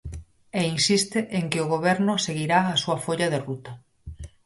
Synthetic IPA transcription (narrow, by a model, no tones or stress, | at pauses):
einsist̪eʔeŋkɪoɣ̞oβ̞ɛɾnʊseɣiɾaːsuɐfoʎaðerut̪ɐ